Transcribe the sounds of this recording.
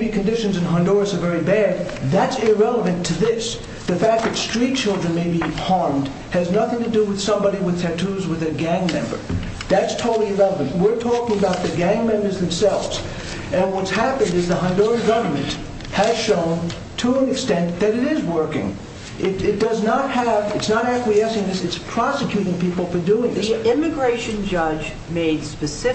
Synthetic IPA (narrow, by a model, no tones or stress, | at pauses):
bikʰɨ̃ndɪʃɨ̃nzɨ̃nɦɑ̃ndɔɹɨsə˞vɛɹibæd̪̚ðɨtsɪɹɛlˠəvɨ̃ntʰɨðɪs | ðɨfæk̚ðɨtstɹ̥it̚t͡ʃʰɪlˠdɹɨ̃nmeɪbihɑɹmd̥ | hɨznʌθɪ̃ŋtʰɨdɨwɨð̥sʌ̃mbɑɾiwɨð̥tʰætʰuzwɨðɨɡæ̃ŋmɛ̰̃mbə̰˞ | ðætstʰoʊɾl̩ˠiɨɹɛlˠəvɨ̃nʔwɪɹtʰɔkɪ̃ŋəbaʊt̪̚ðɨɡæ̃ŋmɛ̃mbə˞zðɨ̃m̩sɛlˠvz̥ | ɨ̃nwʌtshæpɨ̃ndɨzðəɦʌ̃ndɔɹɡʌvə˞mɨ̃nʔ | hɨz̥ʃõʊ̃n | tʰəə̃nɨkstɛ̃nðɨɾɨɾɪzwɜ˞kɪ̰̃ŋ | ʔɪɾɪt̚d̥ʌznət̚həvɨtsnəɾækwiɛsɪ̃ŋðɪsɨtspʰɹ̥ɑsɨkʰj̥ʉɾɪ̃ŋpipl̩ˠfə˞duɪ̃ŋðɪsɪ̃mɨɡɹeɪʃɨ̃nd͡ʒʌd͡ʒ | meɪd̥spɨsɪ